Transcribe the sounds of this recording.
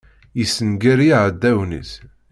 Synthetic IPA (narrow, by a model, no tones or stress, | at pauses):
jisənɡæɾiʕəd̪ːæwnə̰s